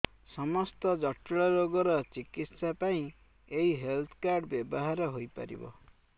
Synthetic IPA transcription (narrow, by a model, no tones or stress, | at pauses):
sɔmɔst̪ɔd͡ʒɔʈɭɔɾoɡɔɾɔt͡ʃikit̪sapaĩ | eiɦelt̪ʰkaɾɖbjebɔɦaɾɔɦojpa̰ɾḭbɔ̰